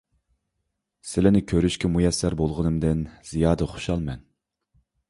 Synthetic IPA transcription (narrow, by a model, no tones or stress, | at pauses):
sɪlɪnɪkʲʰøɾyʃkʲʰɛmujɛsːæɾbolˠʁənɨmd̪ɪnz̥ijɑːd̪əχo̥ʃɑlˠmɛn